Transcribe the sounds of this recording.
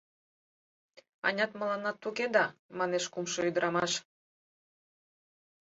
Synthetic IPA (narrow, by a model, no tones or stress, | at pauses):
ɑ̰nʲɑt̪məlɑnɑt̪ːuked̪ɑmɑneʃkumʃoyd̪əɾʔɑmɑʃ